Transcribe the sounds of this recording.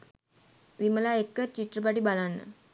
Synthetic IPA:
ʋiməlaekːət͡ɕit̪ɾəp̬aʈ̬iːbalanːə̰

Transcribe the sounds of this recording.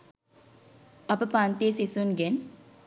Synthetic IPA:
ɐpəpaːnt̪iːsisunɡen

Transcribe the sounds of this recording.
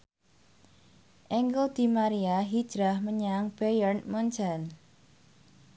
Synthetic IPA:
ʔɛŋɡəld̪̥i̤maɾiaɦid̥d͡ʒ̥ɾahməɲaŋb̥ejərnmɔnt͡ʃan

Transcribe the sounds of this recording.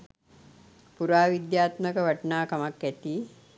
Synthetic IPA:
puɾaːʋid̪jaːt̪məkəʋaʈnaːkamakːæt̪iː

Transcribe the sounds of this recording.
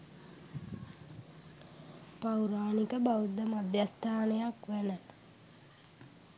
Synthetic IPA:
pawɾaːnikəbawud̪ːəmad̪jast̪ʰaːnəjakʋænə

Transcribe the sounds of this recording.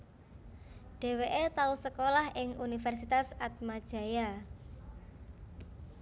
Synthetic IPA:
ɖ̥e̤weʔet̪ausəkolahɪŋunifɛrsit̪asat̪̚mad̥ʒ̥ä̤ja

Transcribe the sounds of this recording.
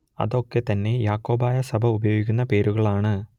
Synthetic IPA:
ɐ̰ðo̞kːe̞t̪ɐnːe̞jaːkːo̞ːbaːjɐsɐbʱɐubɐjo̞ːɡikʲːunːɐpe̞ːɾuɣɐɭaːɳɨ

